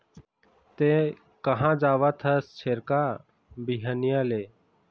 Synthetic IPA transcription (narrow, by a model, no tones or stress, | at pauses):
t̪e | kəɦãːd͡ʒaːʋat̪ʰəst͡ʃʰeɾka | biɦənijaleː